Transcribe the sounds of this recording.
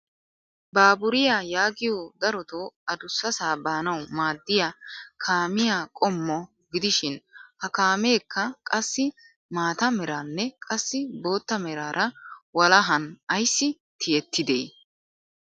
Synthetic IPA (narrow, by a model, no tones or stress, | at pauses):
baːbʊɾɪjajaːɡɪjɔːd̪ɐɾɔt̪oːɐd̪ʊsːɐsaːbaːnɐwmaːd̪ːɪjɐkʰaːmɪjakʼɔmːɔ | ɡɪd̪ɪʃɪnhɐkaːme̞ːkːɐkʼɐsːɪ | maːt̪ɐmɛɾaːnːɛkʼɐsːɪbo̞ːt̪ːɐmɛɾaːɾʔɐwɐlɐɦɐnɐjsːɪ | t̪ʰɪjɛt̪ːɪd̪eː